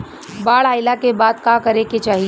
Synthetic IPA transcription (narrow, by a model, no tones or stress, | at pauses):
baːɭaːɪlakebaːd̪kakəɾeket͡ʃaːɦi